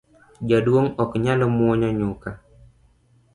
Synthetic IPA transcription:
d͡ʒadwoŋɔkɲalɔmɔɲɔɲuka

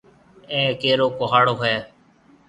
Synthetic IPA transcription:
ẽːkeːɾoːkoɦaːɽoːɦɛː

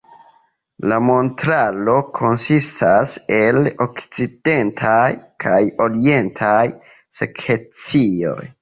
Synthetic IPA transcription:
lamo̞ntɾalo̞kʰo̞nsistʰase̞lo̞kt͡side̞ntʰajkʰajo̞ɾie̞ntʰaj | sekʰet͡sio̞̰j

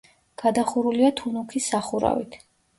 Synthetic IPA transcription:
ɡ̥ad̪aχuɾuliat̪ʰunukʰisaχuɾa̰vḭt̪ʰ

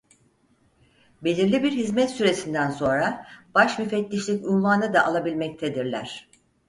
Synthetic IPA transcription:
be̞lʲiɾlʲibiɾhizmɛt̪syɾe̞sind̪ænso̞nɾab̥aʃmyfɛt̪ːʲiʃlʲicʲynvanɯd̪aʔalˠabilʲmɛc̚t̪ʰed̪iɾlʲæ̰ɾ̝̥

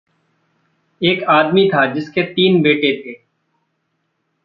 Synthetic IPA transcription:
eːkaːd̪miːt̪ʰaːd͡ʒɪskeːt̪iːnbeːʈet̪ʰeː

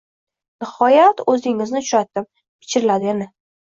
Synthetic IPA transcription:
nɪhɒjat̪ɵzɪŋɪznɪt͡ʃʰʊ̥ʃat̪ːɪm | pʰɪ̥t͡ʃʰɪɾɪlad̪ɪenɪ

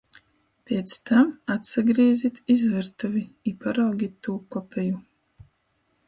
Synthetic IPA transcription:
pʲeɛt̪st̪amat̪saɡɾiɛzit̪izvɨɾt̪uviipaɾawɡʲit̪ːuːkɔpʲʰɛju

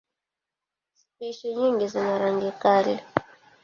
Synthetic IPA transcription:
sipiʃɔɲiŋɡizinaɾaŋɡikalɛ

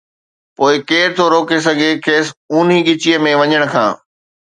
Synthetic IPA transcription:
poːɪkeːɾt̪ʰoɾoːkes̬ɐɡʱekʰeːsuːn̤iɠɪt͡ɕiəmẽʋɐɲəɽ̃kʰã̰ː

